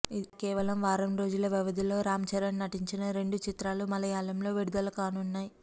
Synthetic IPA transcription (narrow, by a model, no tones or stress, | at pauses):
ikɛːʋɐlɐmʋaːɾɐmɾo̞ːd͡ʒulɐʋjɐʋɐd̪ilo̞ːɾaːmɐt͡ʃɐɾɐnnɐʈiɲt͡ʃinɐɾe̞ɳɖut͡ʃit̪ɾaːlumɐlɐjaːlɐmlo̞ːʋiɽud̪ɐlɐkaːnunːaːji